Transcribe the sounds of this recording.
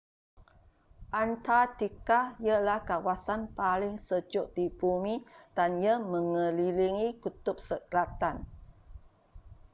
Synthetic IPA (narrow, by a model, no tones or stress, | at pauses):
ʔant̪at̪ikahjəlahkawasanpalɪŋsəd͡ʒʊʔ̚d̥ibumĩd̥anjəmə̃ŋəliliŋikut̪ʊp̚səkəlat̪an